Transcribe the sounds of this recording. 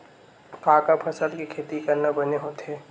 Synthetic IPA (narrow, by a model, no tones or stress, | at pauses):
kaːkapʰɐsəlkikʰeːt̪ikɐɾnabɐneɦoːt̪eː